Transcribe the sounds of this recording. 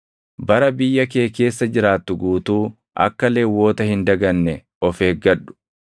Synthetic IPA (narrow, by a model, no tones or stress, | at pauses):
bɐɾɐbɪjːɐk̬e̞ːke̞ːsːɐd͡ʒɪɾaːt̪ːʊɡuːt̪uː | ʔɐ̰kːɐleːwːo̞ːt̪ɐhɪnd̪ɐɡɐnːɛ | ɔfeːɡɐᶑːʊ̥